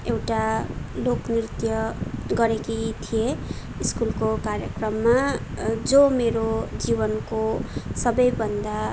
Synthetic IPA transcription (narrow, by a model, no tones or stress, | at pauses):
ewʈaloknirt̪jʌɡʌɾekit̪ʰije | iskulkokaɾjʌ̰krʌmːad͡zomeɾod͡zibʌnkosʌbʌjbʱʌnd̪a